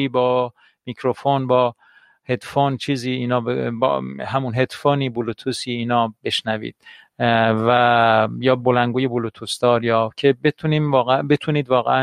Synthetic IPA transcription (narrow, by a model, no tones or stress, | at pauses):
iːbɒː | miːkʰɾofonbɒː | he̞d̪font͡ʃʰiːziːnɒːbeb̰ɦæmunɦe̞d̪foːniːbulut̪ʰusiːiːnɒːbe̞ʃnævḭːd̪̥̚ | væjɒːbolæŋɡuːjebulut̪ʰusd̪ɒːɾjɒːcʰe̞bet̪ʰuniːmvɒːɣebet̪ʰuniːd̪vɒːɣḛæ